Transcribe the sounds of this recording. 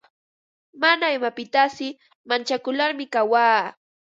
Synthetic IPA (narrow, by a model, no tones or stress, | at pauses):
manaɪmapɪt̪asɪ | mant͡ʃakʊlaɾmɪkawaː